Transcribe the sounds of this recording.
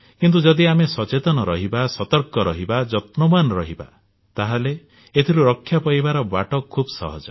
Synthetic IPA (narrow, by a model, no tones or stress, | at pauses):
kint̪̬ud͡ʒɔd̪iamesɔt͡ʃet̪ɔnɔɾɔɦibasɔt̪ɔɾkɔɾɔɦibad͡ʒɔt̪nɔmanɔɾɔɦiba̰ | t̪aɦale | et̪ʰiɾuɾɔkʰːjapɔjbaɾɔbaʈɔkʰːubsɔ̰ɦɔd͡ʒɔ